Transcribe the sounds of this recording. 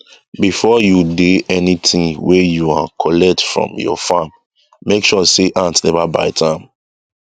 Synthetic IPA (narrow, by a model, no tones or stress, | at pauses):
bifɔjudeɛnitʰĩŋwɛjuakʰɔlɛk̚tfɹɔ̰̃mjɔ̰fãmː | ekʃɔseʔãntnɛvaba̰ɪtʰãɪ̃m